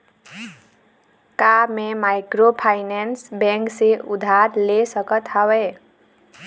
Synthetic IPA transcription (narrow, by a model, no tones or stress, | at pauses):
kamemajkropʰajnensbeŋkseud̪ʱarlesʌkʌt̪ʰawe